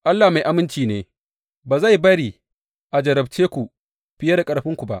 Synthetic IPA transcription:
ʔa˦lːaː˨ma˨jʔa˦mɪ˦nt͡ʃiː˨neː˦ | baː˨za˦˨jbɐ˦ɽiː˨ | ʔa˨d͡ʒɐ˨ɾɐ˨bt͡ʃeː˦kʷu˨ | ɸɪ˦jɐ˦da˨kʼɐ˨ɽɸɪ˦ŋkʷu˨ba̰˦ʔ

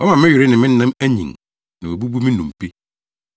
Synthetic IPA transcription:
wɔ˦mã˨mɪ̃˦ɥɪ˨ɾɪ˦nɪ̃˨mɪ̃˦n̩˦nã˦mæ˦ɲḭ̃˨ŋ | nɪ̃˨o˨bu˦bu˦mɪ̃˦nũ˨m˨pi˦

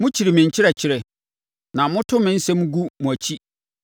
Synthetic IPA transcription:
mʊ̃˦t͡ɕʰi˨ɾi˨mɪ̃˨ɲ̩˨t͡ɕʰɪ˦ɾɛ˨t͡ɕʰɪ˦ɾɛ˨ | nã˨mʊ̃˦tʰʊ̃˦mɪ̃˦n̩˦sɛ˦mũ˦ɡu˦mũ˨æ˨t͡ɕʰi˦

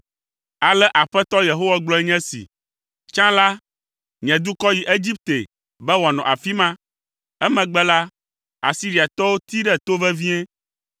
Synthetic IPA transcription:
a˨lɛ˦ʔa˨ɸɛ˦t̪ɔ˦je˨ɦo˦wa˦ɡ͡blɔ˦ɛ˦ɲɛ̃˦sḭ˨ | t͡ʃã˦la˦ | ɲɛ̃˨d̪u˦kɔ˦ji˨ʔe˦d͡ʑi˦p̚t̪e˨ | bɛ˦wɔ˨nɔ̰̃˨ʔa˨fi˦mã˦ | ɛ˦mɛ̃˨ɡ͡bɛ˦la˦ | a̰˨si˦ɾi˨a˨t̪ɔ˦wo˦t̪i˦ɖɛ˦t̪o˦vɛ˦vi˦ɛ̃˦

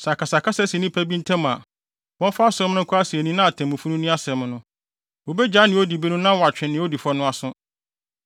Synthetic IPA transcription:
sa˨kʰa˨sa˨kʰa˦sɛ˦si˨nĩ˦pʰæ˦bi˦n̩˦tʰɛ̃˦m˨a̰˨ | wɔ̃˦n˦fa˦a˦sʊ˦ʊ̃˦m˦nʊ̃˦ŋ˦kʰʊ˦a˦si˨e˨nĩ˦nã˦a˨tʰɛ̃˨mũ˨fu˦nũ˦nĩ˦a˦sɛ˨m̃˦nʊ̃˦ | wo˨bɛ˦d͡ʑa˨˦nɪ̃˨˦o˦di˨bɛ˦nʊ̃˦nã˦wɔ˨a˨t͡ɕᶣɪ̃˨nɪ̃˨wɔ˦di˨fɔ˦nʊ̃˦a˨sʊ̃˦

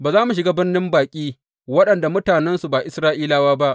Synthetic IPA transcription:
baː˨zaː˦mu˨ʃ̬ɪ˨ɡaː˦bɪ˦rnɪ˦mbaː˨kʲʼiː˦ | wɐ˦ɗɐ˨nda˨mʊ˦taː˨nɛ˦nsu˨baː˨ʔɪ˦sɾaː˦ʔiː˦laː˦waː˦ba˦ʔ

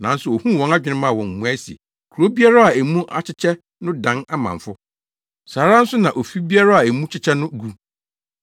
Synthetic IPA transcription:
nã˨n̩˦sʊ˨o˨hũ˦˨wɔ̃˦na˦d͡ʑᶣɪ˨nɪ̃˦mã˦˨wɔ̃˨m˨mũ˨æ˦si˨ḛ˨ | kʰu˨ɾo˦bi˦a˦ɾa˦a˨æ˨mũ˦ʔa˦t͡ɕʰɪ˦t͡ɕʰɛ˦ | nʊ̃˦dã˨˦na˦mã̰˨ɱ˨fʊ˦ | saː˨ɾa˦n̩˦sʊ˦nã˨ʔo˨fi˦bi˦a˦ɾa˦a˨æ˨mũ˦t͡ɕʰɪ˦t͡ɕʰɛ˦nʊ̃˦ɡu˦

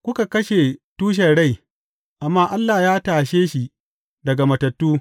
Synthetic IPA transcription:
kʷʊ˦ka˨kɐ˦ʃe˨tuː˦ʃ̬ɐ˨ɽa˦˨j | ʔa˨mːaː˦˨ʔa˦lːaː˨jaː˦taː˨ʃeː˦ʃi˨ | dɐ˨ɡa˨mɐ˨tɐ˨tːuː˦

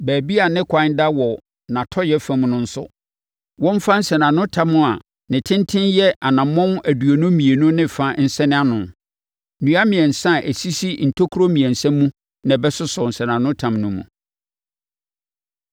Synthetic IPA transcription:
bæː˨bi˦a˨nɪ̃˦kʰã˦n˦da˦wɔ˨ | nã˨tʰɔ˦jɛ˦fæ̃˦m˦nʊ̃˦n̩˦sʊ̰˦ | wɔ̃˦m̩˦fã˦n̩˦sɛ˨nã˨nʊ̃˦tʰã˦mːʊ̃˦a˨ | nɪ̃˨tʰɪ̃˦ntʰɪ̃˦njɛ˦ʔa˨nã˨mːɔ̃˦n˦ʔæ˨du˨o˨nʊ̃˦mĩ˨e˨nʊ̃˦nɪ̃˦˨fa˦n̩˦sɛ˦nɪ̃˦a˦nʊ̃˨n | nũ˨˦a˦mɪ̃˨ɛ˨n̩˨sã˦˨ʔæ˨si˦si˦n̩˨tʰo˦kʰu˦ɾo˦mĩ˨ɛ̃˨n̩˨sɛ̃˦mː˦ũ˦ | nã˨bɛ˦sʊ˦sʊ˨n̩˨sɛ˨nã˨nʊ̃˦tʰã˨mnʊ̃˦mṵ̃˨

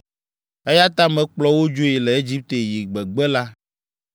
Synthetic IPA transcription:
e˦ja˦t̪a˦mɛ̃˨k͡plɔ˦wo˦d͡ʒo˦e˨lɛ˨e˦d͡ʑi˦p̚t̪e˨ji˨ɡ͡bɛ˨ɡ͡bɛ˦la˦

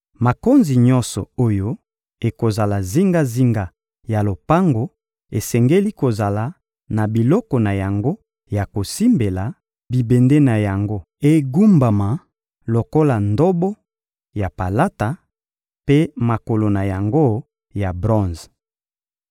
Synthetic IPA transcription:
ma˨ko˦nzi˨ɲɔ̃˦nsɔ˨o˦jo˦ | e˨ko˨za˨la˨zi˦ŋɡa˦zi˦ŋɡa˦ | ja˨lo˨pa˦ŋɡo˨ | e˨sɛ˨ŋɡe˦li˦ko˨za˨la˨ | na˨bi˨lɔ˦kɔ˨na˨ja˨ŋɡo˦ | ja˨ko˨si˦mbe˨la˨ | bi˨be˨nde˦na˨ja˨ŋɡo˦ | e˨ɡu˦mba˨ma˨ | lo˨ko˦la˨ndo˦bɔ˦ | ja˨pa˨la˦ta˨ | pe˦ma˨ko˨lo˨na˨ja˨ŋɡo˦ | ja˨bʁɔ̃˦nz

